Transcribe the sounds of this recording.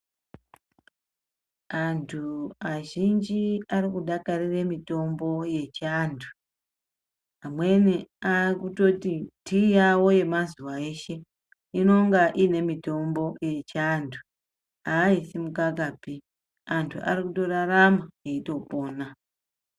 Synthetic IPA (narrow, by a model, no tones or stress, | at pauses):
antʰuaʒind͡ʒiarikuɗakarire̞mito̞mbo̞je̞t͡ʃantʰu̥ | amwe̞neaikuto̞titijawo̞je̞mazuwae̞ʃe̞ | ino̞ŋɡaʔine̞mito̞mbo̞je̞t͡ʃandʰu̥ | aːisimukak̬api | antʰuʔa̰rikuto̞ɾaramaeito̞po̞ːna